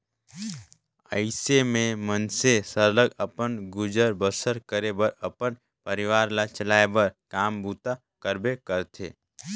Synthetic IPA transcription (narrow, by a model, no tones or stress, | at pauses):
ə̰ɪsemẽmənsesəɾləɡəpənɡʊd͡ʒəɾbəsəɾkəɾebəɾəpən | pəɾɪʋaːɾlat͡ʃəlaːebəɾkaːmbuːt̪a | kəɾbekəɾt̪ʰḛː